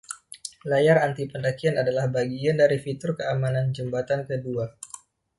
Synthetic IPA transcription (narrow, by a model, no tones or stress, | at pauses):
lajaɾant̪ipəndakianadalahbaɡiandaɾifit̪ʊrkəamanand͡ʒəmbat̪ankədua